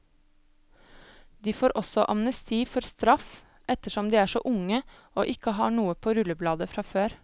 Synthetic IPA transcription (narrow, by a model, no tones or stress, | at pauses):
d̪iːfoːɾʔɔsɔʔɑ̰mnəst̪ʰiːfɔɾst̪ɾɑf | ʔɛt̪əʃɔmd̪iːæːʂo̰ːʔʊŋə | o̰ːʔɪkəɦɑ̰ːɳuːəpʰoːɾʉləblɑːd̪əfɾɑːføːɾ